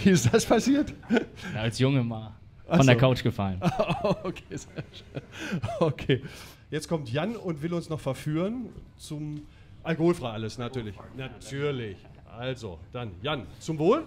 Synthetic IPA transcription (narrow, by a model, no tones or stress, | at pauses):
viːɪstd̥aspʰasiːɐt | alsjʊŋəmaː | ʔafɔndeːɐkʰaʊt͡ʃɡ̥əfalənokʰeːzeːʃø | okʰeː | jɛt͡skʰɔmtjanʊntv̥ɪlʊnsnɔχfɛɐfyːʁənt͡sʊm | ʔalkohoːlfʁ̥aɪʔaləsnatʰyːɐlɪçnatʰyːɐlɪç | ʔalzo̰d̥anjant͡sʊmvoːl